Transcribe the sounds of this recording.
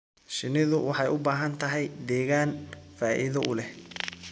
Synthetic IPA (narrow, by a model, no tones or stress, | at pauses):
ʃɪnɪðʊwʔɑħɑjʊbaːɦɐnt̪ʰɐɦɛjd̪ɛːɣaːnfaːʔḭðɐʔʊlɛh